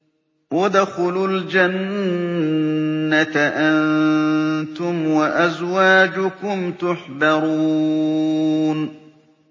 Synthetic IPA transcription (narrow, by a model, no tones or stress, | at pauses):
wad̪axʊluld͡ʒan | at̪aʔann | t̪ʊmwaʔazwaːd͡ʒʊkʊmt̪ʊħbɑɾu | n